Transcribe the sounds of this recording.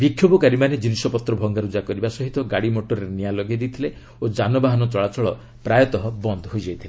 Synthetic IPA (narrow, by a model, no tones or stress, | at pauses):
bikʰjobɔkaɾimaned͡ʒinisɔpɔt̪ɾɔbʱɔŋɡaɾud͡ʒakɔɾibasɔɦit̪ɔɡaɽimoʈoɾɔɾenialɔɡed̪it̪ʰile | od͡ʒanɔbaɦɔnɔt͡ʃɔɭat͡ʃɔɭɔ | pɾajɔt̪ɔɦɔbɔnd̪ʱɔɦojd͡ʒajt̪ʰile